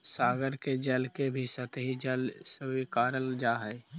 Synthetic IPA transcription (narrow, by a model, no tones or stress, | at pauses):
saːɡəɾked͡ʒɐlkebʱisət̪ɦid͡ʒəlsəikaːɾəld͡ʒaːɦɛː